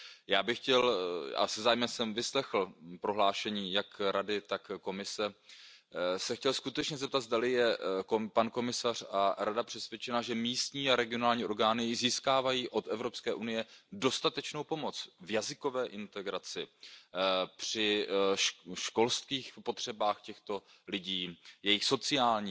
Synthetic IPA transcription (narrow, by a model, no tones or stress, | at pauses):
jaːbɪxcɛla̰sɛzaːjmɛmsɛmvɪslɛxl̩pɾo̞ɦlaːʃɛɲiːjakɾadɪt̪akko̞mɪsɛ | sɛxcɛlskut̪ɛt͡ʃɲɛzɛp̚t̪ad̪zdalɪjɛkpanko̞mɪsar̥aɾadapr̝̥ɛsvjɛt͡ʃɛnaʒɛmiːst̪ɲiːaɾɛɡɪo̞naːlɲiːʔo̞ɾɡaːnɪziːskaːvajiːʔo̞t̪ɛvɾo̞pskɛːʔunɪjɛdo̞st̪at̪ɛt͡ʃno̞wpo̞mo̞t͡svjazɪko̞vɛːʔɪnt̪ɛɡɾat͡sɪ | pr̝̥ɪ | ʃko̞lst̪kiːxpo̞t̪r̝̥ɛbaːxcɛxt̪o̞ | lɪɟiːjɛjɪxso̞t͡sɪaːlɲiː